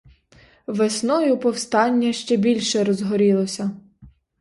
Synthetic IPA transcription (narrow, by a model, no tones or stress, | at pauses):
ʋesnɔjʊpɔwst̪ɑnʲːɐʃt͡ʃɛbʲilʲʃɛɾɔzɦɔɾʲilˠɔsʲɐ